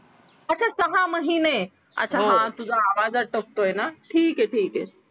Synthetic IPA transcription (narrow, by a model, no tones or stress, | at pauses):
at͡ɕʰasəɦãməɦine | a̰t͡ɕʰaɦãt̪ud͡zʱaːʋad͡zaʈək̚t̪ojenaʈʰiːkeʈʰiːke